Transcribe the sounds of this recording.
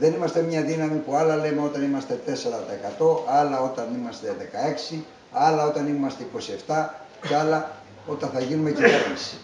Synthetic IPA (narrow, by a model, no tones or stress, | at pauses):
ðe̞nimɐst̪e̞mɲɐðinɐmipuɐlɐle̞meo̞t̪ɐnimɐst̪e̞t̪e̞se̞ɾɐt̪ɐekɐt̪o̞ʔɐlɐo̞t̪ɐnimɐst̪eðe̞kɐe̞ksi | ɐlɐo̞t̪ɐnimɐst̪e̞iko̞sie̞ft̪ɐ | ceɐlɐ | o̞t̪ɐnθɐʝinume̞civeɾmisi̥